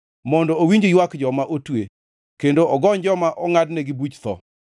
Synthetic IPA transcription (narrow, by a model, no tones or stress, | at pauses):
mɔndɔowiɲd͡ʒojwakd͡ʒɔmaʔotwe | kendoɔɡɔɲd͡ʒɔmaʔɔŋadnɛɡɪbut͡ʃt̪ɔ̰